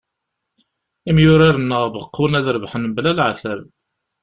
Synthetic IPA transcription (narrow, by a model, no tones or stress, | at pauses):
imjʊɾaɾənːəʁbəqːunæðɾəvħənblælʕaθæv